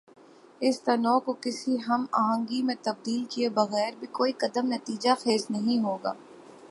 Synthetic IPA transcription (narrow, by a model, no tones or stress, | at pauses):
ɪst̪ɐnɔːkokɪsiɦɐma̰ːɦə̃ŋɡimẽt̪ɐb̚d̪iːlkiebɐɣɛːɾbʱikoːikɐd̪əmnɐt̪iːd͡ʒaxeːsnɐɦĩɦoːɡa̰ː